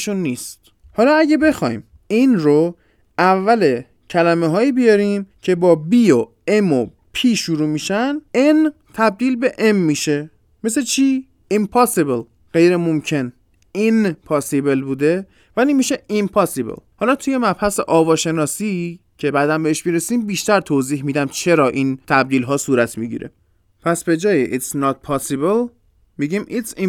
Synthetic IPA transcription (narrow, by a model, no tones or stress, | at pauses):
ʃunːiːst̪ | hɒːlɒːæɟebe̞xɒ̰ːjim | inɾo | ʔævːæle̞ | cʰælæmeɦɒːiːbijɒɾimcʰe̞bɒːbiːo | emo | pʰiːʃuɾuːmiʃænen | t̪ʰæb̚d̪iːlbe̞ʔemːiːʃe̞ | me̞set͡ʃʰiː | impʰɒsebel | ɢe̞jɾemomcʰe̞n | inpʰɒsibelbuːd̪e̞ | vælimiːʃeimpʰɒsibḛlhɒlɒːt̪ʰuje̞mæbhæsḛʔɒːvɒːʃe̞nɒːsi | cʰe̞bæd̪æmbeeʃmiɾesiːmbiːʃt̪æɾt̪ʰoziːɦmiːd̪æmt͡ʃʰe̞ɾɒːʔiːnt̪ʰæb̚d̪iːlɦɒːsuːɾæt̪ʰmiɟḭɾe̞̰ | pʰæsbe̞d͡ʒɒːjiʔit̪snɒt̪̚pʰɒsibel | miɟiːmʔit̪si